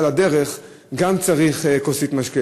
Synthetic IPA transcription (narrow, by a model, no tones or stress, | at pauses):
lad̪eʁeχ | ɡamt͡saʁiχkosit̪maʃke